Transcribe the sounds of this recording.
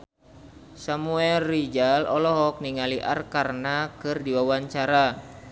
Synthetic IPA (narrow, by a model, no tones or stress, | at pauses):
samuɛlːid͡ʒalɔlɔɦɔk̚niŋaliʔa̰rkarnakɨrdiwawaɲt͡ʃaɾa